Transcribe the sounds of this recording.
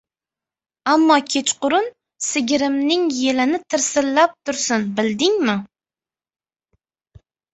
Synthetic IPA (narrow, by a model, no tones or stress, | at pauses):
amːɒkʲʰet͡ʃqʊɾʊn | sɪɡʲɪɾɪmnɪŋjelɪnɪt̪ʰɪɾsɪlːap̚t̪ʰʊɾsɪnbɪld̪ɪŋmɪ